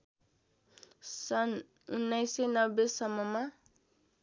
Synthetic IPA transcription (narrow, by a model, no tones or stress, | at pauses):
sʌn | unːajsenʌbesʌmʌma